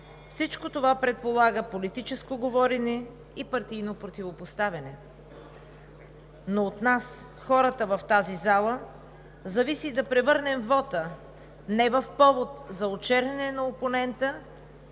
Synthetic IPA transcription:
fsit͡ʃkot̪ovapɾɛt̪̚polˠaɡəpolit̪it͡ʃɛskoɡovɔɾɛnɛ | ipɐɾt̪ijnopɾot̪ivopost̪avʲɐnɛ | noːt̪nas | xɔɾət̪əvɐft̪azizalˠə | zɐvisid̪ɐpɾɛvɤɾnɛmvɔt̪ə | nɛvəfpɔvot̪zɐot͡ʃɛɾɛnɛnɐoponɛnt̪ə

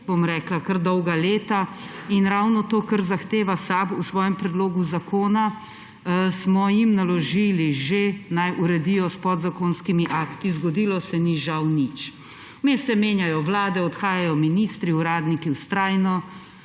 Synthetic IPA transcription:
bomɾɛːklakəɾd̪ɔwɡaleːt̪ainɾawnɔt̪oːkəɾzaxt̪eːʋasabusʋɔːjɛmpɾɛd̪loːɡuzakoːna | smɔjimnalɔʒiliʒenajuɾɛd̪iːjɔspɔd̪zakoːnskimiʔakt̪izɡɔd̪iːlɔsɛniʒawnit͡ʃ | mesɛmeːnjajɔʋlaːd̪ɛɔt̪xaːjajɔminist̪ɾiuɾaːd̪nikiwst̪ɾaːjnɔ

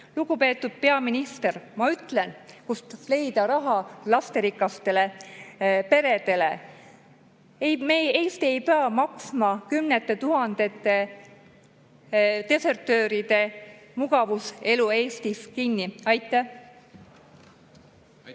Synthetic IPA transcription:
luɡupe̞ːt̪ːud̪̥̚pe̞ɑminist̪e̞rmɑyt̪ˑlenkust̪ɑsle̞jd̪ɑɾɑɦɑlɑst̪e̞ɾikːˑɑst̪e̞le̞ | pe̞ɾe̞d̪e̞le̞̰ | ejmeje̞ːst̪ie̞jpeɑmɑksmɑkymnet̪ːˑe̞t̪uɦɑnd̪̥e̞t̪ːˑe̞ | t̪e̞se̞rt̪ˑø̞ːɾid̪̥e̞muɡ̥ɑvuse̞lue̞ːst̪iskinːiɑjt̪ːˑe

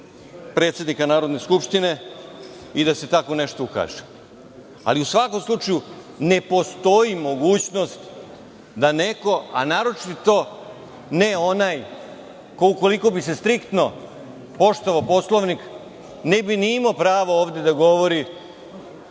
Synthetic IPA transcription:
pɾe̞t̪sje̞d̪nikanaːɾo̞d̪ne̞skupʃt̪ine̞ | id̪ase̞t̪ako̞ne̞ʃt̪o̞uka̰ːʒe̥ | a̰liusʋako̞mslˠut͡ʃaju | ne̞po̞st̪o̞imo̞ɡuːt͡ɕnost̪ | d̪ane̞ko̞a̰naːɾo̞t͡ʃi̥t̪t̪o̞ | ne̞onaj | kouko̞liko̞bise̞st̪ɾikt̪no̞ | po̞ʃt̪oʋaopo̞slˠoʋnik | ne̞biniimaopɾaːʋooːʋd̪e̞d̪aɡo̞ʋo̞ɾi

